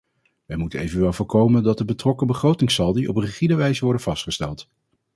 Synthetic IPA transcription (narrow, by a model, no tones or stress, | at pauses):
ʋɛjmutənejvənʋɛlˠvʊːɹkowməndɑt̚dəbətrɔkəbəχrowtɪŋsɑlˠdiʔɔpriχidəʋɛjzəʋɔɹdənvɑstχəstɛ̰lˠt